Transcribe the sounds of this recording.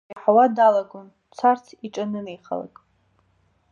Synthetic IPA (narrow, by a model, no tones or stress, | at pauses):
ħawadalaɡʷon | t͡sʷʰart͡sʰiʈ͡ʂʼanɨnejχa̰la̰kʼ